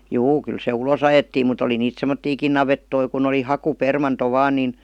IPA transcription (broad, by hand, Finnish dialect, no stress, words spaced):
juː kyl se ulos ɑjetːiːm mut oli niːt semːotːiːkin nɑʋetːoi kun oli hɑkupermɑnto ʋɑːn niˑn